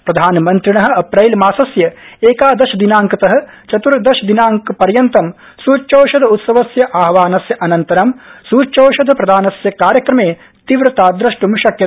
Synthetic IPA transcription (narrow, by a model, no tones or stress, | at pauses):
ppɾɐd̪ʱaːnmɐnt̪ɾiɳɐɦɐ̆ɐpɾɐjlmaːsɐsjɐeːkaːd̪ɐʃɐd̪inaːŋkɐt̪ɐɦɐ̆ | t͡ʃɐt̪uɾd̪ɐʃɐd̪inaːŋkɐpɐɾjɐnt̪ɐm | suːt͡ʃoːʃɐd̪ɐut̪sɐʋɐsjɐʔaːɦʋaːnɐsjɐʔɐnɐnt̪ɐɾɐmsuːt͡ʃoːʃɐd̪ʱɐpɾɐd̪ʱaːnɐsjɐkaːɾjɐkɾɐmeː | t̪iʋɾɐt̪aːd̪ɾɐʂʈumʃɐkjɐt̪